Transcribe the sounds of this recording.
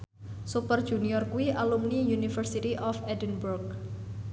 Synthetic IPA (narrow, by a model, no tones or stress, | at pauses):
supərd̥ʒ̥uniɔrkuiʔalumnijunifərsit̪iʔɔfɛdənburk̚